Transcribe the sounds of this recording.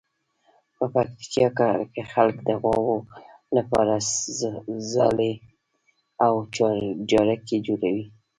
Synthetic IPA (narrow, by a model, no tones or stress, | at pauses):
pəpakt̪i̥kɑkakexalkd̪əɣwɑwo | lapɑɾa | zɑ̰le | awt͡ʃɑɾd͡ʒɑɾaked͡ʒoɾawi